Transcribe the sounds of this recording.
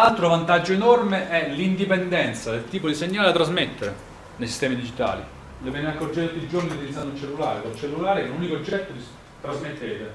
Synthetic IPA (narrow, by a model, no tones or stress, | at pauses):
alt̪ɾovant̪ad͡ʒːoenɔrmeʔɛlind̪ipend̪ɛnt̪sad̪elt̪iːpod̪iseɲːaːledat̪ːɾazmet̪ːeɾe | nejsist̪ɛːmid̪id͡ʒit̪a̰ːlḭ | levɛːneakːord͡ʒit̪ut̪ːid͡ʒorniut̪ilid̪and̪unt͡ʃelːula̰ːɾekolt͡ʃelːulaːɾeɛununikoːd͡ʒːɛt̪ːod̪i | t̪ɾazmet̪ːeːt̪e